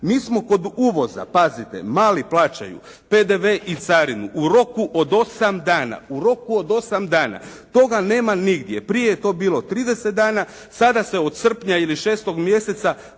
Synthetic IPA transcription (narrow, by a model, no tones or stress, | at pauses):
miːsmo̞ko̞d̪uːʋo̞za̰pazit̪e̞̰maːliplˠaːt͡ʃa̰jṵ | pe̞d̪e̞ʋe̞ʔit̪saɾinuʔuɾo̞kuʔo̞d̪o̞samd̪aːna̰uɾo̞kuod̪o̞samd̪aːna̰t̪o̞ɡane̞ːmaniɡd̪je̞pɾije̞jet̪o̞biːlˠot̪ɾiːd̪e̞set̪̚d̪aːna | sad̪ase̞o̞d̪sr̩pɲailiʃe̞ːst̪o̞ɡmje̞se̞t̪sa